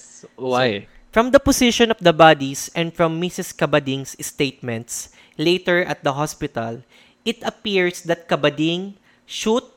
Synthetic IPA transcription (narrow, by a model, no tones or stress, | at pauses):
waj | fɹɐ̃md̪ɐpɔsɪʃɔ̃nɔfd̪ɐbad̪isɛ̃nd̪fɹɐ̃mːɪsɪskɐbɐd̪ɪ̃ŋsst̪ejt̪̚mɛ̃nt̪s | lejt̪ɛɹʔɐt̪̚d̪ɐɦɔspɪt̪ɐl | ʔɪt̪ɐpiɹsd̪ɐt̪̚kɐbɐd̪ɪ̃ŋ | ʃud̪̚